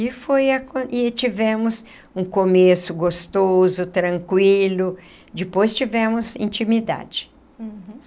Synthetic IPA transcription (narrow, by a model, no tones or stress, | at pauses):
ɪfojɐkõʔɪt͡ʃivɛ̃mʊs | ũkomesʊɡost̪ozʊt̪ɾɐ̃ŋkwilʊ | d͡ʒɪpojst͡ʃivɛ̃mʊzḭ̃nt͡ʃĩmid̪a̰d͡ʒɪ̥